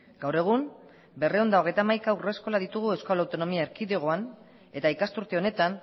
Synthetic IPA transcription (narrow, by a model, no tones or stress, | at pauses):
ɡ̥awre̞ɣ̞um | be̞re̞ond̪ao̞ɣ̞e̞jt̪amajkaure̞sko̞laðit̪uɣ̞ue̞skolawt̪o̞no̞miaeɾkiðeɣ̞o̞an | e̞t̪aikast̪uɾt̪eo̞ne̞t̪an